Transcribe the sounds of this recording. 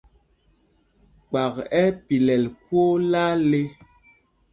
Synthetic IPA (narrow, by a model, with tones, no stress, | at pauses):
k͡pa˨kɛ˦pi˨lɛ˨lkwo˦la˦le˦